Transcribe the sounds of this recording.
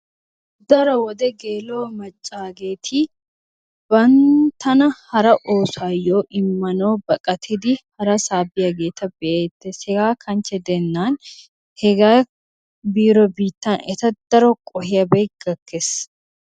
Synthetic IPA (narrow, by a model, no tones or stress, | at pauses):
d̪ɐɾɔwɔd̪ɛɡeːloːmɐt͡ʃʼːaːɡe̞ːt̪ʰɪ | b̥ɐnt̪ɐnɐhɐɾɐʔoːsaːjoːʔɪmːɐnoːbɐkʼɐt̪ʰɪd̪ɪhɐɾɐsaːbɪjɐɡe̞ːt̪ɐbɛʔeːt̪ːeshɛɡaːkʰɐnt͡ʃːɛd̪ɛnːaːn | hɛɡaː | biːɾɔbiːt̪ːɐnɛ̰t̪ɐd̪̥ɐɾɔkʼɔhɪjɐbɛjɡ̥ɐkːes